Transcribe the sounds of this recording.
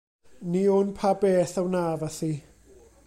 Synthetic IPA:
nionpʰabɛθawnavaθi

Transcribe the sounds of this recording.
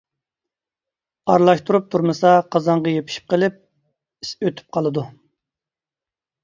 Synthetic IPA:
ɑɾlˠɑʃt̪ʰuɾup̚t̪ʰuɾmɨsɑqʰɑzɑŋʁɑjepʰi̥ʃi̥p̚qəlɪp̚ | i̥søt̪ʰy̥p̚qʰɑlˠɨd̪u

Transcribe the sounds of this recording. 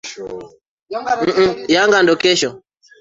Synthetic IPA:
m̩jaŋɡandɔkɛʃɔ

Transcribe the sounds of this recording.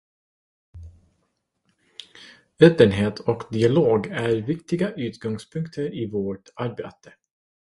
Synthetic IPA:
øːpːənɦeːt̪ʰɔkd̪ɪaloːɡæɾvɪkt̪ɪɡaʔʉ̟ːt̪ɡɔŋspʰɵŋkt̪ʰəɾɪvoːʈaɾbḛːt̪ə̥

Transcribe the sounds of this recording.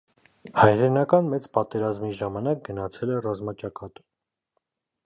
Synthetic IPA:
hɑjɾɛnɑkɑnmɛt͡spɑt̪ɛɾɑzmiʒɑmɑnɑk̚ɡənɑt͡sʰɛlɛrɑzmɑt͡ʃɑkɑt̪

